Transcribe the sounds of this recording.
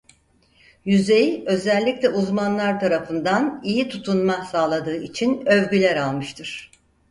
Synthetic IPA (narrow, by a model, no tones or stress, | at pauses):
jyzejiø̞zɛlʲːicʲlʲɛʔuzmanlˠaɾt̪ʰaɾafɯnd̪anijit̪ʰut̪ʰunmasaːlˠad̪ɯːit͡ʃʰinøvɟylʲæɾalˠmɯʃt̪ʰɯɾ̥